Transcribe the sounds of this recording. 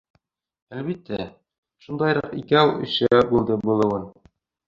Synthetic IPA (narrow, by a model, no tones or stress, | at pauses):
ælβit̪ːæ | ʃund̪ɑjɾɑqḭkæɵ̰̆sææbulˠd̪ɤbulˠɤ̆wɤn